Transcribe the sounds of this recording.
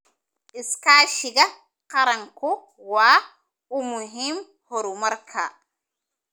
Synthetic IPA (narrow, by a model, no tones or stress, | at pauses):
ʔiskaːʃiɡa | qaɾaŋkɔ | waː | umuɦim | hɔɾumaɾkʰa